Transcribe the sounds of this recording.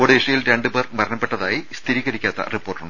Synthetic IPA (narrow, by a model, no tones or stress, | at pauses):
oːɽeʂɐjilɾeɳɖɨbermɐɾɐɳɐpːeʈːɐðaːjist̪ʰiɾiːɣɐɾikʲːaːt̪ːɐ̰ripːorʈːuɳɖɨ